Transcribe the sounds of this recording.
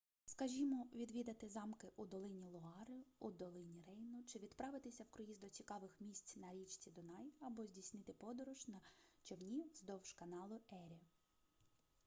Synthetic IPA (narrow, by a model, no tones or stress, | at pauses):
skɐʒʲimɔʋʲid̪ʋʲid̪ɐt̪ɪzɑmkɪʔud̪ɔlˠɪnʲilˠʊɑɾɪud̪ɔlˠɪnʲiɾɛjnʊt͡ʃɪʋʲid̪pɾɑʋɪt̪ɪsʲɐwkɾɔjizd̪ɔt͡sʲikɑʋɪxmʲisʲt͡sʲnɐɾʲit͡ʃt͡sʲid̪ʊnɑjɐbɔzʲdʲisʲnɪt̪ɪpɔd̪ɔɾʊʒnɐt͡ʃɔwnʲizd̪ɔwʃkɐnɑlˠʊɛɾʲi